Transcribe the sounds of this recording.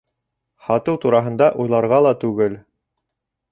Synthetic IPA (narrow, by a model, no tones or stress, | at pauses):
hɑt̪ɤwt̪uɾɑɦɤ̆nd̪ɑʔujlˠɑɾʁɑlˠɑt̪ʉɡɘl